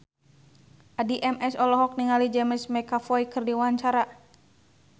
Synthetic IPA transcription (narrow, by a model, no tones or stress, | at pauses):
ʔadiʔɛmʔɛsɔlɔɦɔk̚niŋalid͡ʒɛmɛsmɛkafɔikɨrdiwaɲt͡ʃaɾa